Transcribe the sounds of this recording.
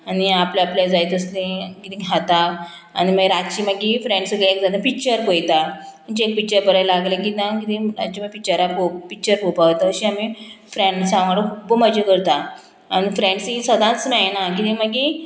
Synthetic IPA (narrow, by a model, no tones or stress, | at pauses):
aniapljaapljad͡zajt̪əslẽkit̪ĩɦat̪aː | ñiməɡɾatt͡ɕiməɡifɾẽɳɖsəɡeekd͡zad̪ãpik̚t͡ɕəɾpojt̪a | məɳt͡ɕiek̚pik̚t͡ɕəɾpəɾajlaɡlãkit̪ãkit̪ĩɾa̰t͡ɕiməpik̚t͡ɕəɾapopik̚t͡ɕəɾpopat̪əəɕiamifɾẽɳɖsãʋaɽəkʰubəməd͡ʑekəɾt̪aː | nifɾẽɳɖsĩsəd̪ãt͡smɛjnak̬it̪ĩməɡi